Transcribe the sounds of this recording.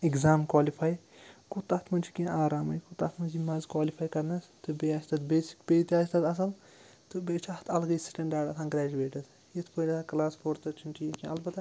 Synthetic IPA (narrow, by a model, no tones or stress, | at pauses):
iɡzaːmkwaːlifʰaːj | kut̪ɐt̪ʰmɐnd͡ʒʰikʲĩaːɾaːmɐjkut̪ɐt̪ʰmɐnzimaːzkwaːlipʰaːjkɐɾnɐst̪ɨbeːaːst̪ɐt̪beːsi̥kpeːt̪ʲaːst̪ɐt̪ɐs̬ɐl | t̪ɨbeːt͡ʃʰɐht̪ʰɐlɡɐjsi̥ʈʲɐɳɖaːɖɐsʰaːnɡɾɛːd͡ʒuweːʈɐd̪ | jit̪ʰpolʲɐt̪ʰːklaːspʰoːɾt̪ɨt͡ʃʰiɳʈijikʲĩɐlbɐt̪